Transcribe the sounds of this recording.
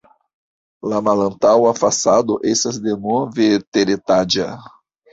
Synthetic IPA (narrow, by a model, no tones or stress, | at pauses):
lamalɐ̃nt̪awafasad̪ʊʔesɐzd̪enɔvet̪eɾet̪ad͡ʒɐ